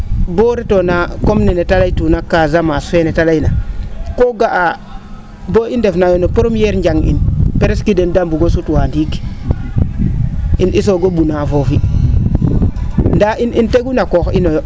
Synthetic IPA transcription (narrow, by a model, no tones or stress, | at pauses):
boɾetonakomninetalaitunakazamasfenetalainakoɡaʔa | boindefnajonopoɾomjeɾɲd͡ʒaŋḭnpeɾeskidendambuɡosutwandiki̥ | inʔis̬oɡobunavofi | ndaʔininteɡunakoxḭnojo